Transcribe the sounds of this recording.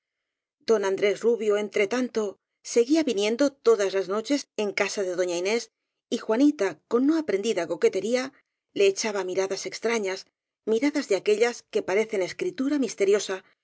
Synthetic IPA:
d̪o̞nãnd̪ɾe̞sruβjo̞e̞nt̪ɾe̞t̪ant̪o̞ | se̞ɣiaβinjẽ̞nd̪o̞t̪o̞ðazlazno̞t͡ʃe̞se̞ŋkasaðe̞ðo̞ɲaine̞s | ixwanit̪ako̞nːoapɾe̞nd̪iðako̞ke̞t̪e̞ɾia | le̞ːt͡ʃaβamiɾaðase̞kst̪ɾaɲas | miɾaðazðeake̞ʎaske̞paɾe̞θe̞ne̞skɾit̪uɾamist̪e̞ɾjo̞sa

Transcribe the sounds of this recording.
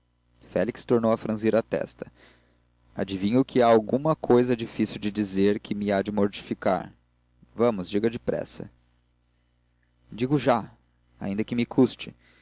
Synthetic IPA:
fɛlikst̪oɾnowɐfɾɐ̃ziɾɐt̪ɛ̰st̪ɐ | a̰d͡ʒivĩɲʊkʰɪaawɡũmɐkʰojzɐd͡ʒifisiwd͡ʒɪd͡ʒizeɾkʰɪmɪad͡ʒɪmoɾt͡ʃi̥fika̰ɾ | vɐ̃mʊzd͡ʒiɡɐd͡ʒɪpɾɛ̰sɐ̰ | d͡ʒiɡʊʒa | a̰ĩnd̪ɐkɪmɪkʰust͡ʃɪ

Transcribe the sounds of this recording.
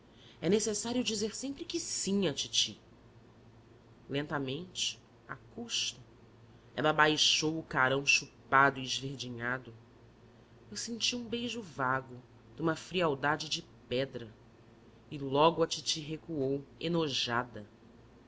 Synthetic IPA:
ɛnesesaɾjʊd͡ʒizeɾsẽmpɾɪkɪsĩɲɐt͡ʃit͡ʃḭ | lẽnt̪ɐmẽnt͡ʃɪ̥ | a̰kuʃt̪ɐ | ɛ̰lɐbajʃowʊkaɾɐ̃w̃ʃupad̪ʊiɪzveɾd͡ʒiɲad̪ʊ | ewsẽnt͡ʃiũbejʒʊvaɡʊ | d̪ũmɐfɾiawd̪ad͡ʒɪd͡ʒɪpɛd̪ɾɐ | ɪlɔɡʊɐt͡ʃit͡ʃiɦekuowenoʒad̪ɐ

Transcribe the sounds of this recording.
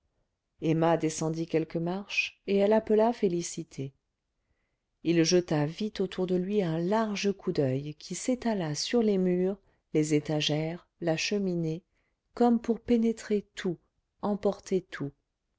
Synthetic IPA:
emad̪esɑ̃d̪ikʲɛlkəmaʁʃeɛlapəlafelisit̪ʰe | ilʒət̪avit̪ot̪ʰuʁd̪əlɥiɛ̃laʁʒəkʰud̪œjkʲʰiset̪alasyʁlemyːʁ | lezet̪aʒɛʁ | laʃəmine | kɔmpuʁpenet̪χet̪ʰu | ɑ̃pɔʁt̪ʰet̪ʰu

